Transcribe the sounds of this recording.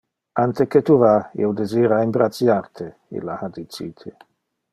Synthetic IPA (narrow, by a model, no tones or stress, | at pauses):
ant̪eket̪uvaḭwd̪eziːɾaimbɾat̪sjart̪ʰe | ḭlːahad̪it͡ʃḭːt̪ʰe